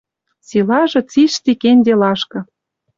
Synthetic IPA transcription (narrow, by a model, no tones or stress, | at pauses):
silɑʒɤ̆t͡siʃt̪ikenʲd̪ʲelɑʃkɤ̆